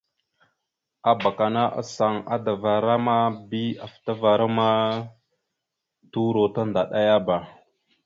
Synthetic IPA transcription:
a˨ba˨ka˨na˦ʔa̰˨sa˨ŋa̰˦da˨va˨ɾa˦ma˦bi˦a˨fta˦va˨ɾa˦ma˦ | tu˦ɾo˨ta˦nda˨ɗa˦ja˦ba˨

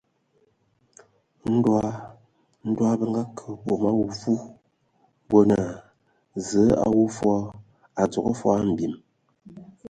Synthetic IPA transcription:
n̩˦dwa˦ | n̩˦dwa˦bə˦ŋ˦ɡa˦kʰə˨bo˨ma˦wu˦˨fu˦ | bo˦na˨ | zə˨˦a̰˨wu˦fwɔ˦ | a˨d͡zɔ˨ko˦fa˦m̩˨bi˨m

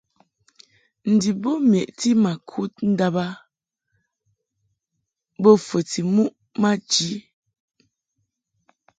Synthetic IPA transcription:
n̩˨di˨bo˦mjɛ˨ʔti˦ma˨kʰu˦t̚n̩˦da˦ba˦ | bɔ˦fə˨ti˨mu˦ʔ | ma˦d͡ʒi˨˦

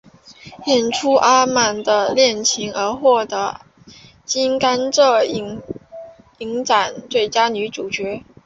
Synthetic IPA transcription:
jjɛ˥˩nʈ͡ʂʰu˥ʔa˥ma˥˩nd̪ə˧ljɛ˥˩nt͡ɕʰi˧˥ŋə˧˥xwɔ˥˩t̪ɤə˧˥ | t͡ɕi˥nka˥nʈ͡ʂɤ˥˩i˧˥ | i˧˥ŋʈ͡ʂa˨˩˦nt̪we˥˩ɪt͡ɕja˥ny˧˥ʈ͡ʂu˨˩t͡ɕɥɛ˧˥

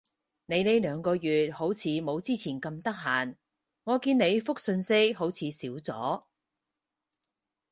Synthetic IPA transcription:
ne˨˧jne˨˥jlœː˨˧ŋkɔː˧jyː˨t̚ho˨˥wt͡sʰiː˨˧mo˨˧wt͡siː˥t͡sʰiː˨˩nkɐ˧mt̪ɐ˥k̚ɦaː˨n | ŋɔː˨˧kiː˧ne˨˧jfʊ˥k̚sɵ˧nsɪ˥k̚ho˨˥wt͡sʰiː˨˧siː˨˥wt͡sɔ̰ː˨˥

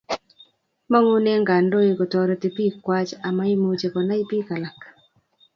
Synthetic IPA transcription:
ma˦ŋu˦ne˦ŋɡa˨ndo˦e˨kɔ˨tɔ˨ɾɔ˨ti˨pi˦kwa˦t͡ʃa˨ma˦i˦mo˦t͡ʃe˨kɔ˨na˦i˦pi˦ka˨la˨k

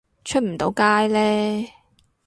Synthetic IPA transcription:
t͡ʃʰɵ˥t̚m̩˨˩t̪o˨˥wkaː˥jlɛː˥

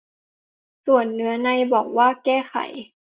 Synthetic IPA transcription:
su˨˩ənːɯ˨˩˦ɐna˧jbɔː˨˩k̚waː˥˩kɛː˥˩xʰa̰˨˩˦j

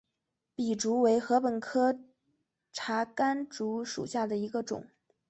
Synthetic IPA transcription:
pi˨˩ʈ͡ʂu˧˥we˧˥ɪxɤ˧˥pə˨˩nkʰɤ˥ | ʈ͡ʂʰa˧˥ka˥nʈ͡ʂu˧˥ʂṵ˨˩ɕja˥˩d̪ə˩i˧˥ɡə˧ʈ͡ʂʊ̰˨˩˦ŋ

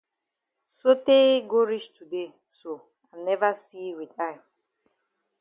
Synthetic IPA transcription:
so˦te˦ɡo˦ɾi˦ʃtʰu˨de˦˨ | so˨ | a˨mnɛ˦va˦si˦wi˨ta˦ɪ

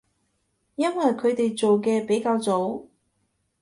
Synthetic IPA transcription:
jɐ˥nwɐ˨jkʰɵ˨˧t̪e˨jt͡so˨wkɛː˧pe˨˥jkaː˧wt͡so˨˥w

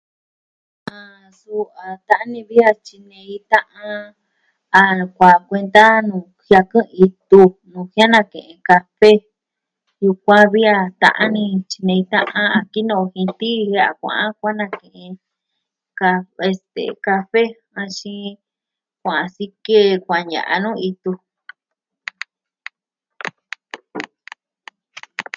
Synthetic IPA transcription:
ã˧ | su˧a˨t̪a˦ʔa˦nĩ˧βi˦a˧t͡ʃi˧nẽ˧i˧˦t̪ã˦ʔã˧ | a˧kʷa˨kʷe˧nd̪a˦nũː˨ | hja˧kɨ̃˦˧i˧t̪u˧nũ˨hja˦nã˧˨kḛ̃˨ʔẽ˧ka˧fe˦ | ju˧kʷã˦βi˦a˧t̪ã̰˧ʔã˦nĩ˧t͡ʃi˧nẽ˧ĩ˧t̪ã̰˦ʔã˦a˧ki˦nõ˦˧hĩ˧t̪i˦hja˦a̰˨kʷã̰˨ʔã˦kʷa˦nã˧˨kẽ˨ʔẽ˧ | ka˧e˧st̪ḛ˨ka˧fe˦ | ã˧ʃĩ˧ | kʷã˨ã˧si˧ke˦˨˧kʷã˨ɲã̰˨ʔa̰˧nũ˦˧i˧t̪u˧

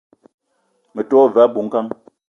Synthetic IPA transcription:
mə˨tɔː˦va˨˦bu˨ŋ̩˦ka˦ŋ

